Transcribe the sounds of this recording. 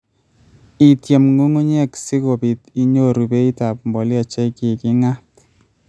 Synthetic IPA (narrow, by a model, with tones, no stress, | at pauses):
i˨tje˨mŋu˦ŋu˦ɲɛ˦ksi˦ko˨bi˨ti˦ɲo˦ɾu˨be˦i˦ta˨pmbɔ˨lja˨t͡ʃe˦ki˨ki˦ŋa˦t